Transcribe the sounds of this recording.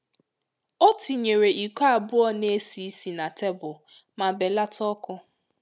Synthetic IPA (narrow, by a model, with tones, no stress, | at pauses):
o˦ti˨ɲe˨ɾe˨ʔi˨ka˦˨bʊ˦ɔ˦ne˦si˨˦si˨na˨te˦bʊ˨ | ma˨be˨la˦tɔ˦kʊ˦